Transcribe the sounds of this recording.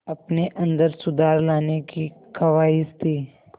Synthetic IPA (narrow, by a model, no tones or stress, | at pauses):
ɐpneʔɐ̃nd̪əɾsʊd̪aːɾlaːnekikʰɐʋaːist̪ʰiː